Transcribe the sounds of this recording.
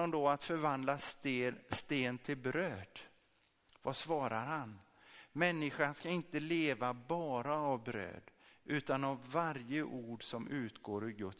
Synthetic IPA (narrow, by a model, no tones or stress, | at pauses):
ɔmd̪ɔat̪fœɾvand̪lasst̪eːnt̪ʰɪlbɾøːd̪̥ | vasvɑːɾaɾhan | mɛnːɪɧanskaɪnt̪əleːvabɑːɾaːvbɾø̰ːd̪ʔʉ̟ːt̪anavːaɾjəʔuːɖsɔmʉ̟ːt̪ɡoːɾɪɡɵt̪